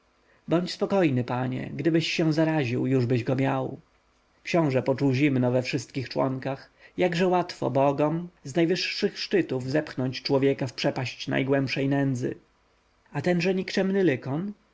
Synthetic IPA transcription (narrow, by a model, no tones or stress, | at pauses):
bɔɲt͡ɕspɔkɔjnɘpaɲɛ̰ɡd̪ɘbɘɕːɛ̃w̃zaɾaʑiwjuʐbɘʑɡɔmʲjaw | kɕɔ̃w̃ʐɛpɔt͡ʂuwʑimnɔvɛfʂɘst̪kʲixt͡ʂwɔ̰ŋkax | jaɡʐɛwat̪fɔ̰bɔɡɔmznajvɘʂːɘxʂt͡ʂɘt̪uvzɛpxnɔɲt͡ɕt͡ʂwɔvʲjɛkafpʂɛpaɕt͡ɕna̰jɡwɛmpʂɛjnɛnd̪zɘ̰ | at̪ɛnʐɛɲikt͡ʂɛmnɘlɘkɔn